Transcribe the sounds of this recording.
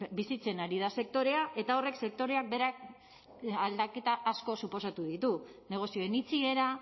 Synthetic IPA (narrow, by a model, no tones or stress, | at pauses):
bisit͡se̞naɾið̞ase̞k̚t̪o̞ɾe̞aʔe̞t̪ao̞re̞kse̞k̚t̪o̞ɾe̞ak̚be̞ɾak̚ | ald̪ake̞t̪aʔːsko̞supo̞sat̪uðit̪une̞ɣ̞o̞sio̞enit͡sie̞ɾa